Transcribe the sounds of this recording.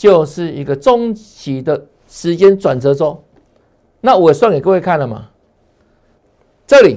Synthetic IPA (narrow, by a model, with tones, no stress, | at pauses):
t͡ɕjo˥˧ʊʂɻ̩˥˨i˧˥ɡə˨t͡sɔ˦ŋt͡ɕʰi˨˦d̪ə˨ | ʂɻ̩˧˦t͡ɕjɛ˦nt͡swa˨˩nt͡sɤ˨˦t͡sɔ˦ | na˥˨wɔ˨˦je˨˩swa˥˩njkwe˥˧kʰa˥˨nlə˨ma̰˨˩ | t͡sɤ˥˨li˨˩